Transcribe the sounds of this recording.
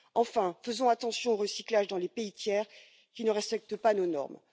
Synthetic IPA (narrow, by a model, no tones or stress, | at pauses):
ɑ̃fɛ̃fəzɔ̃at̪ɑ̃sjɔ̃oʁəsiklaʒd̪ɑ̃lepeit̪jɛːʁ | kʲinəʁɛspɛk̚t̪əpanonɔ̰ʁm